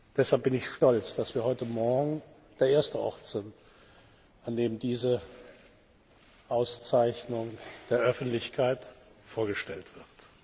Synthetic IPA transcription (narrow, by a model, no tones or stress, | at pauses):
d̥ɛshalp̚b̥ɪnɪçʃtɔlt͡sd̥asv̥iːɐɦɔʏtəmɔɐɡŋ̩ | d̥eːɐʔeːɐstəʔɔ̰ʁtz̥ɪnt | ʔandeːmdiːzə | ʔaʊst͡saɪçnʊŋd̥eːɐʔœfn̩tlɪçkʰaɪtfoːɐɡəʃtɛltv̥ɪʁt